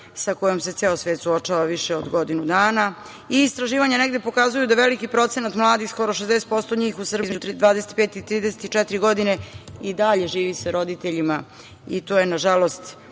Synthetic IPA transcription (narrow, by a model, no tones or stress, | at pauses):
sako̞jomse̞t̪seːlosʋe̞ːt̪suot͡ʃaʋaʋiʃeod̪ɡo̞d̪inud̪aːna | iːst̪ɾaʒiːʋaɲaneɡd̪epo̞kazujud̪aʋelikipɾo̞t̪senat̪mlˠaːd̪ixsko̞ɾo̞ʃ̬ezd̪eset̪̚po̞st̪oɲiːxusrbizmd͡ʑut̪ɾid̪ʋaːd̪eset̪̚peːt̪it̪ɾiːd̪ese̥t̪it͡ʃɛt̪ɾiɡo̞d̪ineid̪aʎe̞ʒiːʋisaɾo̞d̪it̪eʎima | it̪oːjenaʒalo̞st̪